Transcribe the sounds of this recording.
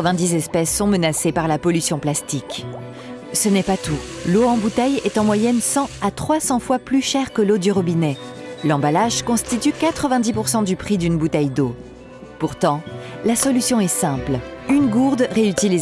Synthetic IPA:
əvɛ̃d̪izɛspɛsːɔ̃mənasepaʁlapɔlysjɔ̃plast̪ik | sənɛpat̪u | loɑ̃but̪ɛjɛt̪ɑ̃mwajɛnsɑ̃at̪χwasɑ̃fwaplyʃɛʁkəlod̪yʁɔbinɛ | lɑ̃balaʒkɔ̃st̪it̪ykat̪χəvɛ̃d̪ipuʁsɑ̃d̪ypχid̪ynbut̪ɛjd̪o | puʁt̪ɑ̃lasɔlysjɔ̃ɛsɛ̃plynɡuʁd̪ʁeyt̪iliz

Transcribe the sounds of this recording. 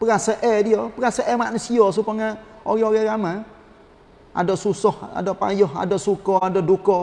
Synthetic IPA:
pəɾasaʔɛdijɔpəɾasaʔɛmaʔnusiɔsupəŋa | o̰ɾɛoɾɛɾama | ʔa̰dɔʔsusɔha̰dɔʔpa̰jɔha̰dɔʔsukɔadɔdukɔ

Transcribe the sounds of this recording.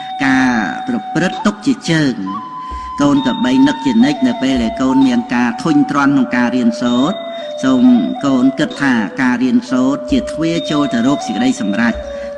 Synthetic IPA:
kaːprɑprɨt̪ːuk̚t͡ɕiət͡ɕəːŋ | koːnk̪ɑɓəjnɨk̚t͡ɕiənɨc̚nɨwpeːlɗaɛlkoːnmiənkaːt̪ʰuɲt̪rŏənkʰnʊŋkaːriənsoːt̪̚ | soːmkoːnkɨt̪ʰːaːkaːriənsoːt̪̚t͡ɕiət̪ʰʋeət͡ɕoːlt̪ɨwrɔːk̚səkə̆ɗəjsɑmrac̚

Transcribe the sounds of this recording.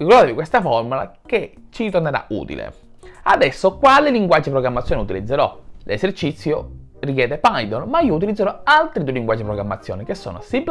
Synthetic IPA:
rikɔɾd̪aːt̪evikwest̪afɔrmula̰ket͡ʃːiɾit̪orneɾa̰ṵːt̪ḭlḛ | a̰d̪ɛsːokwalɪliŋɡwad͡ʒːipɾoɡɾamːat̪sjoːneut̪ilid̪zːeɾɔlesert͡ʃit̪sːjo | rik̬jɛːd̪epajd̪onmaiːout̪̬ilid̪zːeɾɔalt̪ɾid̪ueliŋɡwad͡ʒːipɾoɡɾamːat̪sːjo̰ːnikesːo̰ːno̰sib

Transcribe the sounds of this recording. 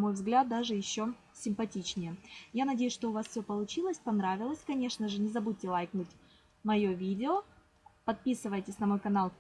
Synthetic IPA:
mo̞jvzɡlʲat̪̚d̪aʐɨjɪɕːo | sʲɪmpɐtʲit͡ɕnʲɪjəjanɐdʲejʊsʲʂt̪oʊvasfsʲopəlˠʊt͡ɕilˠəsʲpɐnɾavʲɪlˠəsʲkɐnʲe̞ʂnəʐɨnʲɪzɐbud̚ʲtːʲɪlˠajknut̚ʲ | mɐjo̞vʲidʲɪo | pɐt̪̚pʲisɨvəjtʲɪsʲnɐmo̞jkɐnalˠ

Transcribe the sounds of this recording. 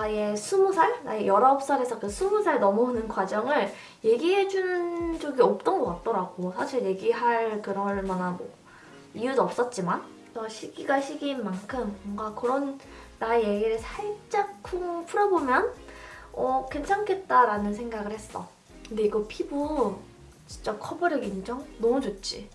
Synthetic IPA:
aje̞sʰubusʰaɭnaejʌɾʌop̚s͈aɾe̞sʰʌkɯsʰubusʰaɭnʌmunɯnɡwad͡ʑʌŋɯɭ | je̞ɡiɦe̞d͡ʑunɯnd͡ʑʌɡiʌp̚t͈ʌnɡʌk͈at̚t͈ʌɾaɡosʰaɕʰiɭje̞ɡiɦaɭkɯɾʌɭmjʌnamʌ | ijudʌp̚s͈ʌt̚t͡ɕ͈iman | tʌɕʰiɡiɡaɕʰiɡinmankʰɯmːʌŋɡakɯɾʌnː | aje̞ɡiɾɯɭsʰaɭt͡ɕ͈akʰupʰuɾʌbomjʌn | ʌkwe̞nt͡ɕʰaŋkʰe̞t̚t͈aɾanɯnsʰe̞ŋɡaɡɯɭhe̞s͈ʌ | kɯnde̞iɡʌpʰibu | t͡ɕint͡ɕ͈akʰʌbʌɾjʌɡinit͡ɕʰʌŋnʌmud͡ʑot̚t͡ɕ͈ḭ

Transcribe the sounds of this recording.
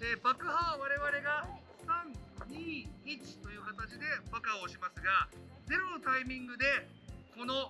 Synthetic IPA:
ebakɯ̟ɦaβaɾe̞βaɾe̞ɡa | sãnɲiːit͡ɕi̥t̪o̞jɯ̟ːkat̪at͡ɕid̪e̞bakaoɕimasɨɡa | d͡ze̞ɾo̞no̞t̪aimʲĩŋɡɯ̟d̪e̞ | ko̞no̞

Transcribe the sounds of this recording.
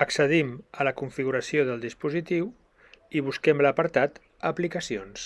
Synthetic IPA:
əksəðimələkuɱfiɣuɾəsioðəlˠd̪ispuzit̪iw | iβ̞uskɛmləpəɾt̪at̪ | əplikəsions

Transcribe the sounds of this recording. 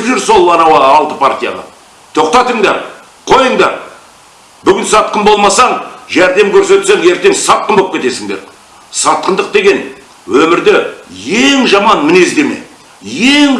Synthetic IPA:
pʒʏɾso̞lˠɑnɑwɑːlˠt̪əpʰaɾt̪ʲija̰ʁɑ̰ | t̪ʰo̞qt̪ɑt̪əɴd̪ɑɾ | qʰo̞jəɴd̪ɑɾ | bʏɡʲɪnsɑt̪̚qəmbo̞lˠmɑsɑɴʒæɾd̪e̞mkʲʰɵɾse̞t̪seŋje̞ɾt̪e̞ŋsɑt̪̚qəmbopkʲe̞t̪e̞sɪŋd̪e̞ɾ | sɑt̪̚qənd̪əq̚d̪e̞ɡʲe̞n | wɵmɪɾd̪ɪje̞ŋʒɑmɑnmɪne̞zd̪e̞me̞̰ | jeŋ

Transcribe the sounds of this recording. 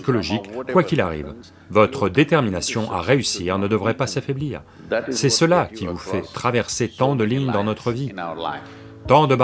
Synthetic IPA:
ikɔlɔʒikkːwakʲila̰ʁḭv | vɔt̪χəd̪et̪ɛʁminasjɔ̃ʔa̰ʁeysiʁnəd̪əvʁɛpasafɛbliːʁ | sɛsəlakʲivufɛt̪χavɛʁset̪ɑ̃d̪əliɲd̪ɑ̃nɔt̪χəvi | t̪ɑ̃d̪əb

